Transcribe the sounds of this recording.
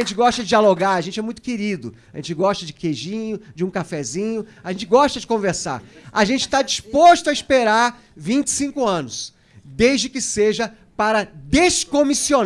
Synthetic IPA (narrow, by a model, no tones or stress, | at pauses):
ẽnt͡ʃɪɡɔʃt̪ɐd͡ʒɪaloɡaɾɐʒẽnt͡ʃɪɛmũj̃t̪ʊ̥kɪɾid̪ʊaʒẽnt͡ʃɪɡɔʃt̪ɐd͡ʒɪkeʒĩɲʊd͡ʒɪũkafɛzĩɲʊaʒẽnt͡ʃɪɡɔʃt̪ɐd͡ʒɪkõveɾsa̰ɾaʒẽnt͡ʃɪ̥t̪ad͡ʒispoʃt̪ʊɐispeɾaɾ | vĩnt͡ʃɪ̥sĩkʊɐ̃nʊs | d̪ezd͡ʒɪkɪseʒɐ | paɾɐd̪eskomision